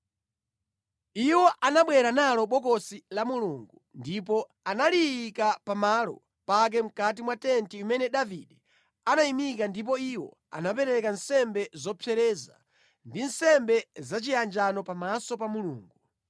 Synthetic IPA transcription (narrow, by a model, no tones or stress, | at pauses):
iwɔʔanaɓwɛɾanalɔɓɔkɔsilamuluŋɡundip̬ɔ | analiikapamalɔ̰ | pak̬ɛm̩kat̬imwatɛntiumɛnɛɗaviɗɛ | anaimik̬andip̬ɔiwɔ̰ | a̰napɛɾɛkansɛmbɛzɔpʰɛɾɛːza̰ | ndinsɛmbɛzat͡ʃiand͡ʒanɔpamasɔpamuluːŋɡu